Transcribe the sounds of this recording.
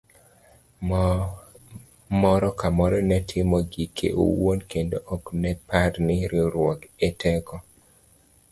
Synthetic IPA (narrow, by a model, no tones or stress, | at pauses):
mɔɾɔkamɔɾɔnɛtʰɪmɔɡikʰḛʔo̰wonkendoʔɔknɛpaɾnɪɾɪɾwɔkɛtʰɛkɔ